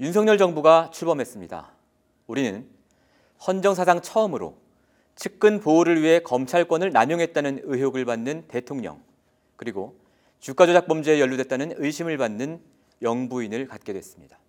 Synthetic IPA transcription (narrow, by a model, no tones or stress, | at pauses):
junsʰʌŋɲʌɭd͡ʑʌŋbuɡat͡ɕʰuɭbʌmɦe̞s͈ɯmɲida̰ | uɾinɯn | hʌnd͡ʑʌŋsʰasʰaŋt͡ɕʰʌɯmɯɾo̰ | t͡ɕʰɯk̚k͈ɯnpoːɾɯɭɥiɦe̞kʌmt͡ɕʰaɭk͈wʌnɯɭnamjoŋɦet̚t͈anɯnɯɦjoɡɯɭbanːɯnte̞tʰoŋɲʌ̰ŋ | kɯɾiɡo | t͡ɕuk͈ad͡ʑod͡ʑak̚p͈ʌmd͡ʑeejʌɭːudwe̞t͈̚anɯnɯiɕʰimɯɭbanːɯn | jʌŋbuinɯɭkat̚k͈e̞dwe̞s͈ɯmɲid̥a